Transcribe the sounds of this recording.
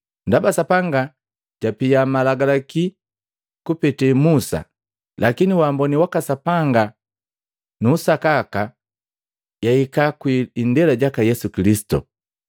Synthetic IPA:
ndabasapaŋɡa | ɟ̥apijamalaɡalaki | kupɛtɛmusa̰ | lakiniwambɔniwakasapaŋɡa | nuːsakaka | jaikakwiːndɛlaɟakajɛsukilisi̥tṵ

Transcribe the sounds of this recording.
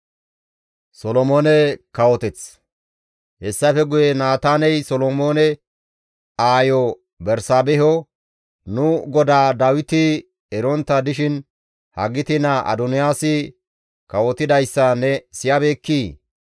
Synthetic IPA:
sɔlɔmoːnɛkɐwɔt̪ɛt͡s | hɛsːɐfɛɡʊjɛnaːt̪aːnɛjsɔlɔmoːnɛ | aːjɔ | bɛɾsaːbɛɦɔ | nʊɡɔd̪aːd̪awɪt̪ɪ | ɛɾɔnt̪ːɐd̪ɪʃɪn | hɐɡɪt̪ɪnɐʔɐ̰d̪ʊnɪjaːsɪ | kɐwɔt̪ɪd̪ɐjsːɐnɛsɪjabeːkːiː

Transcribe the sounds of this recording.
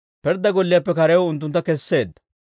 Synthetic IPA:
pɛɾd̪ɐɡɔlːɪjapːɛkɐɾɛwɔʊnt̪ːʊnt̪ːɐkɛsːe̞ːd̪ːɐ̥

